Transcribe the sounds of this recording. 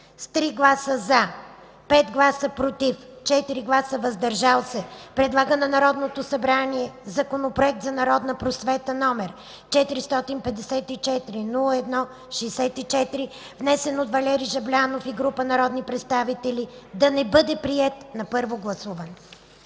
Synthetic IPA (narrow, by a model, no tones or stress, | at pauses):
st̪ɾiɡlˠasəza | pɛt̪ɡlˠasəpɾot̪ift͡ʃɛt̪iɾiɡlˠasəvɐzd̪ɐɾʒalˠsɛpɾɛd̪lˠaɡənɐnɐɾɔd̪not̪osɐbɾaniɛzɐkonopɾoɛk̚t̪zɐnɐɾɔd̪nəpɾosvɛt̪ənɔmɛɾ | t͡ʃɛt̪iɾist̪ɔt̪inpɛd̪ɛsɛt̪it͡ʃɛt̪iɾinulˠəɛd̪nɔ | ʃɛːsɛt̪it͡ʃɛt̪iɾi | vnɛsɛnot̪vɐlʲɛɾiʒɐblʲanofiɡɾupənɐɾɔd̪nipɾɛt̪st̪avit̪ɛlʲid̪ɐnɛbɤd̪ɛpɾiɛt̪nɐpɤɾvoɡlˠɐsuvən